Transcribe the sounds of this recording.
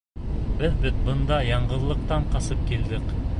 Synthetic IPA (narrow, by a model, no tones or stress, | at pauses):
bɘðbɘðbɤ̆nd̪ɑjɑɴɢɤ̆ðlˠɤ̆q̚t̪ɑɴqɑsɤp̚kild̪ɘk